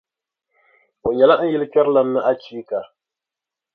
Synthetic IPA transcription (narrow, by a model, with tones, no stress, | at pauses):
o˨ɲɛ˨la˦n̩˦jɛ˦lɨ˦pɛ˦ɾla˦m̩ː˦ɨ˦ʔa˦t͡ʃiː˦ka˨